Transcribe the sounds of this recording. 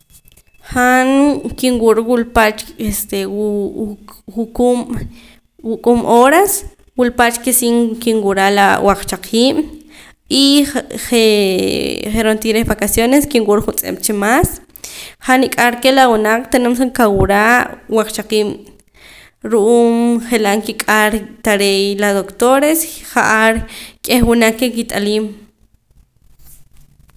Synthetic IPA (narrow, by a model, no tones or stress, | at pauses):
χaŋkiŋwuɾwulpat͡ʃest̪e | ukum | wukʼumʔoɾas | wulpat͡ʃkesiŋkiŋwuɾalawʔaq͡χt͡ʃaqʰiːm̰ | iχe | χeɾont̪iɾehβakasjoneskiŋwuɾχunt͡sʼḛmt͡ʃimas | χanikʼaɾkelawunaq͡χt̪enoms̬aŋkawuɾawaq͡χt͡ʃaqiːm | ɾuʔuːmχelaʔŋkikʼaɾt̪aɾejladðokt̪oɾesχaʔaɾkʼehwunaq͡χkːekit̪ʼaliːm